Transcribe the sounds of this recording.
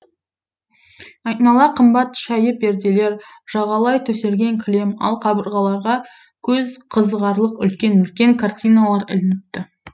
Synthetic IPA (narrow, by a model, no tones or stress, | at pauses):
ɑjnɑlˠɑqʰəmbɑt̪ʃæjəp̚be̞ɾd̪e̞le̞ɾʒ̥ɑʁɑlˠɑjt̪ʰɵse̞ɾɡʲe̞ŋkʲʰɪle̞mɑ̰lˠqʰɑbəɾʁɑlˠɑɾʁɑ | kʲʰɵzqʰəzəʁɑɾlˠəqʏ̰lkʲe̞nʏlkʲe̞ŋkʰart̪ʲijnalˠɑɾɪ̰lɪnɪp̚t̪ɪ